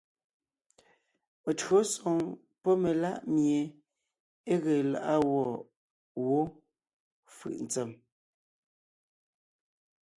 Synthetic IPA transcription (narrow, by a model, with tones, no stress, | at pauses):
me˨tɰo˦sɔ˨ŋ | pɔ˦me˨la̰˦˨ʔmje˨ | e˦ɣe˨la̰˨ʔa˦wɔ˦˨ | wo˦ | fɯ̰˨ʔn̩˨t͡sɛ˨m